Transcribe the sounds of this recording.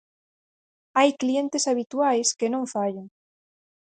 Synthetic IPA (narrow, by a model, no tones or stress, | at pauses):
ajklient̪esaβ̞it̪uajskenõɱfaʎoŋ